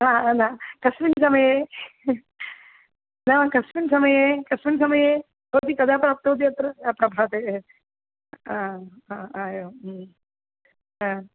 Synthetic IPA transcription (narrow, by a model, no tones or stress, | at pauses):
aːnãːkɐsʋinsɐmɐjeː | nakɐsʋinsɐmɐjeːkɐsʋinsɐmɐjeː | ɦoːt̪ikɐd̪ʱaːpɾaːp̚t̪oɦt̪̬iɐt̪ɾɐjaːpɾɐbʱaːt̪eː | a | ãaːjoː | ã